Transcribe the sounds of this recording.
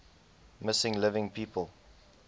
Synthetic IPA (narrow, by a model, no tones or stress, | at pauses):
mɪsɪ̃ŋlɪvɪ̃ŋpʰiːpʰəlˠ